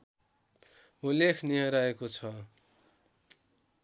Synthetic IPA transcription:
ulekʰnijʌ̃ɾaekot͡sʰʌ

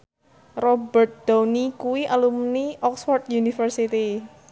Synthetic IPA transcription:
rɔbərt̪̚d̪̥anikuwiʔalumniʔɔksfɔrt̪̚junifərsit̪i

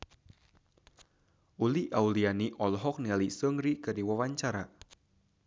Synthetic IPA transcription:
ʔuliʔaulianiʔɔlɦɔk̚nialisəŋɾikədiwawaɲt͡ʃaɾa

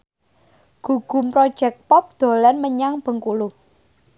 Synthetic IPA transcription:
ɡ̥ṳɡ̥ṳmpɾɔd̥ʒ̥ɛk̚pɔp̚d̪̥o̤lɛnməɲaŋb̥ə̤ŋkulʊ

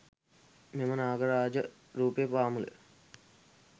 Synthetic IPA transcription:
memənaːɡəɾaːd͡ʒə | ɾuːpijəpaːmulə̰

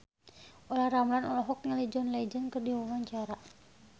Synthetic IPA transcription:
ʔɔlahɾamlanɔlɔɦɔk̚ɲalɛd͡ʒɔnlɛd͡ʒənkərdiwawaɲt͡ʃaɾa

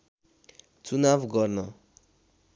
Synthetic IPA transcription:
t͡sunabɡʌɾnʌ

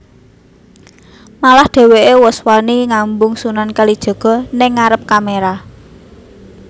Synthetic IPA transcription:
malahd̪̥e̤weʔewɔswaniŋambʊŋsunankalid̥ʒ̥ɔ̤ɡ̥ɔ̤nɪŋːaɾəp̚kameɾa

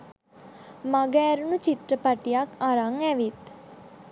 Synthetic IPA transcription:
maɡəːɾunut͡ʃit̪rəpaʈijakaɾaŋæʋit̪

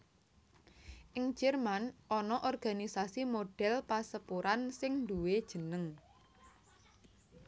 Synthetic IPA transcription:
ʔɪŋ̥d͡ʒ̥ɛrmanʔɔnɔʔɔrɡ̥a̤nisasimoɖ̥ɛ̤lpasəpuɾansɪŋɳduwed̥ʒ̥ə̤nəŋ

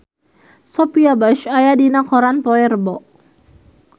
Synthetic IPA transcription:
sɔpiabaʃajadinakɔɾanpɔɛrbɔʔ

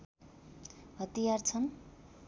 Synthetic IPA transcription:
ɦʌt̪ijart͡sʰʌn

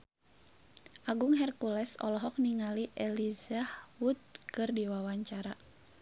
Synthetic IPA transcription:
ʔaɡuŋɦɛrkulɛsɔ̰lɔɦɔk̚niŋaliʔɛlizahwut̪̚kɨrdiwawaɲt͡ʃaɾa

